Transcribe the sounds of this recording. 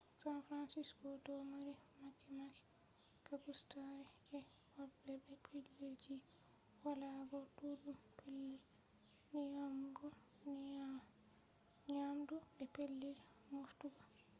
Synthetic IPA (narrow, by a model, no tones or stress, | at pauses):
sanfɾansiskɔdɔmaɾimakːɛmakɛ̥ | kakustaɾɛkɛ | wabːɛbɛpʰiled͡ʒi | walaɡɔdudumpʰelːi | nijamdu | n | ɲamduɓɛpelːi | muftuɡa